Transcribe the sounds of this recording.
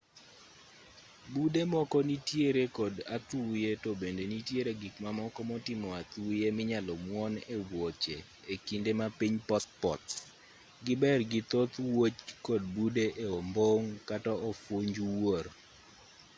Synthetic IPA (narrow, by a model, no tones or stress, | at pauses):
budemɔkɔnitjeɾekɔdat̪ujetobendenitjeɾeɡikmamɔkɔmɔtɪmɔat̪ujemɪɲalɔmwɔnewwot͡ʃe | ekindemapiɲpɔspɔt̪ | ɡɪbɛrɡɪt̪ot̪wot͡ʃkɔd̚budeʔeomboŋkatɔɔfwoɲd͡ʒuwoɾ